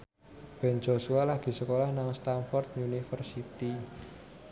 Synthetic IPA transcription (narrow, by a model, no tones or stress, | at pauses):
b̥ɛ̤nd͡ʒo̤sualaɡ̥i̤səkolahnaŋst̪anfɔrt̪̚unifərsit̪i